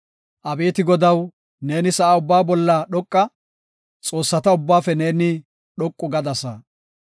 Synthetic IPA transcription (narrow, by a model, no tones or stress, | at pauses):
ʔɐbeːt̪ɪɡɔd̪ɐw | ne̞ːnɪsɐʔaʊbːaːbɔlːɐɗɔkʼːɐ | t͡sʼo̞ːsːɐt̪ɐʊbːaːfɛne̞ːnɪ | ɗɔkʼːʊɡɐd̪ɐsɐ